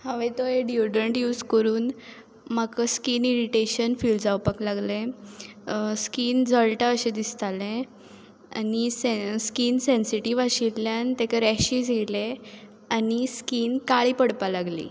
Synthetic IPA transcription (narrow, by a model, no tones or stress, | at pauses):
haʋet̪ɔɦeɖjuɖəɳʈjuːd͡zkəɾuːn | makəskiːniɾiʈeɕənfild͡zawpəklaɡlẽ | skiːnd͡zəɭʈaəɕed̪ist̪alẽ | a̰niseskiːnsensiʈiʋaɕilljant̪ekaɾɛɕiːd͡zʱele | aniskiːnkaɭipəɽpalaɡlḭː